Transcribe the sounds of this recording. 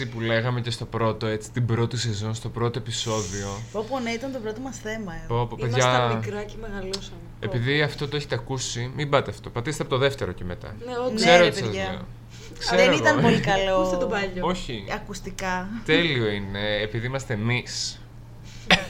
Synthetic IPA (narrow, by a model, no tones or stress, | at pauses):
ipule̞ɣɐmece̞st̪o̞pɾo̞t̪o̞e̞t͡si̥t̪ibɾo̞t̪ise̞zo̞nst̪o̞pɾo̞t̪oe̞piso̞ðio̞oponeit̪ɐnt̪oɾot̪omɐsθe̞mɐeopopeðʝɐmikɾɐemeɣɐlusɐ | epiðiɐft̪o̞t̪o̞eçet̪eɐkusimibɐt̪eɐft̪o̞pɐt̪ist̪eɐpot̪oðe̞ft̪e̞ɾo̞ceme̞t̪ɐ̰nkseɾoot̪isɐzʝɐeo̰ | kseɾeoit̪ɐnolikɐlost̪obɐʎoo̞çiɐkust̪ikɐt̪e̞lio̞ine̞ːpiðiimɐst̪e̞nis